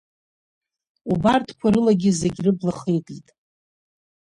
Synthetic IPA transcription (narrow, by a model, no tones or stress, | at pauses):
ubartʰkʷʰaɾɨlaɡʲɪzeɡʲrɨblaχejtʼitʼ